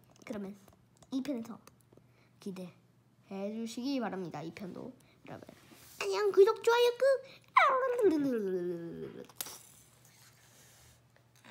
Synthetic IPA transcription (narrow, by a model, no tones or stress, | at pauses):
kɯɾʌmjʌn | ipʰjʌnesʰʌ | kide | hed͡ʑuɕʰiɡipaɾɦamɲidaipʰjʌndo̰ | ɾʌ̰bo̰aɲiaŋkɯd͡ʑok̚t͡ɕ͈oajɯk͈ɯ | aɾandɯndɯɯɯɯɯ̰